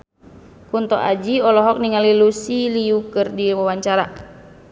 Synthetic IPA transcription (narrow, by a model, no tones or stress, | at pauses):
kunt̪ɔ̰ʔa̰d͡ʒiɔlɔɦɔk̚niŋalilusiliukɨrdiwawaɲt͡ʃaɾa